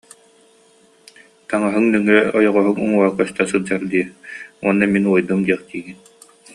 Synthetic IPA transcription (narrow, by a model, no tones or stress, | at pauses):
t̪aŋaɦɯŋnɛŋɛɔjɔʁɔɦɯŋuŋuakœst̪asɯlˠd͡ʑaɾd̪iɛuɔnːaminuɔjd̪umd̪iɛχt̪iːɡin